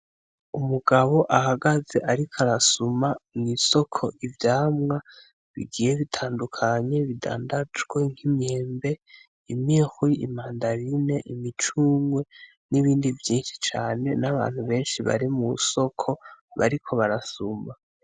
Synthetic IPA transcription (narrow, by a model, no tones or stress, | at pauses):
umuɡaβo̞ʔahaɡaze̞ʔaɾikʰaɾasumaniso̞kʰo̞ʔivjaːmŋa | βḭɡiːjeβitʰaːndukʰaɲe̞βida̰ːndad͡ʒɡweŋ̥himɲeːmbe̞ | imixiimaːndaɾine̞ʔimit͡ʃuːmwe̞ | niβiːndivjiːnʃi̥t͡ʃaːne̞naβa̰ːn̥huβe̞ːnʃiβa̰ɾimuso̞kʰo̞βa̰ɾikʰo̞βaɾasuma